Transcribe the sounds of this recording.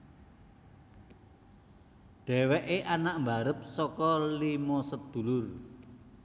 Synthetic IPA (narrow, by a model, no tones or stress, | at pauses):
ɖ̪̥ɛ̤wɛʔeʔanaʔmba̤ɾəp̚sɔkɔlimɔsəd̪̥ṳlʊr